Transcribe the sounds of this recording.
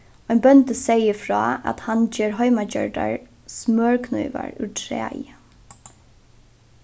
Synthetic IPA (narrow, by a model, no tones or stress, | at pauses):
ɔɪnbœnt̪əsɛjəfɹɑːat̪hand͡ʒeːɹɦɔʏmad͡ʒœɹɖaɹ | smøːɹkʰnɔ̰ʏʋa̰ɹʉ̰ʈʰɾæ̰ːjə